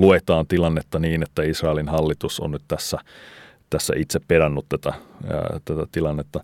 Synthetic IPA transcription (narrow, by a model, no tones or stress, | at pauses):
luet̪ɑːnt̪ilɑnːet̪ːɑniːnet̪ːæisrɑelinhɑlːit̪uso̰nnyt̪t̪æsːæ | t̪æsːæ̰ʔit̪seppeɾɑnːut̪t̪æt̪æ̰t̪æt̪æt̪ilɑnːet̪ːɑ